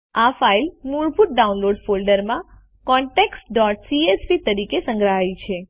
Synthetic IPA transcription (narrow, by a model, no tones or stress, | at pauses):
afailnuɾpuʈ̚ɖaũnloɖfolɖəɾmã | kɔɳʈeksɖɔʈsiespit̪əɾikesə̃ŋɡɾaɦait͡ʃʰe